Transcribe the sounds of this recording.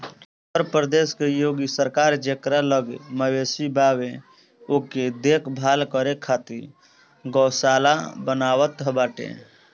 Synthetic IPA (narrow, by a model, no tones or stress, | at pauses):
ʊt̪əɾpɾəd̪eːskejoːɡisəɾkaːɾd͡ʒekɾaləɡməʋeːsibʱaːwẽ | oked̪eːkʰbʱaːlkəɾekʰaːt̪i | ɡɔːsaːlabənaːwət̪ɦəbaːʈḛ̃